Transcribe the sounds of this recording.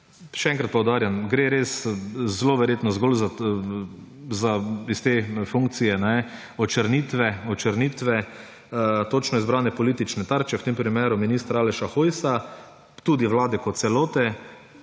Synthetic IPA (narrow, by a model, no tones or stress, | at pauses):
ʃɛɛ̃ŋkɾat̪̚pɔwd̪aːɾjanɡɾeːɾeːszloːʋɛɾjeːt̪nɔzɡolza | zaist̪efuŋk̚t̪sijɛnɛ | ɔt͡ʃəɾniːt̪ʋɛɔt͡ʃəɾniːt̪ʋɛ | t̪ot͡ʃnɔizbɾaːnɛpɔliːt̪it͡ʃnɛt̪aɾt͡ʃɛwt̪empɾimeːɾʊminiːst̪ɾaaːlɛʃaxojsa | t̪uːd̪iʋlaːd̪ɛkɔt̪t̪sɛloːt̪ɛ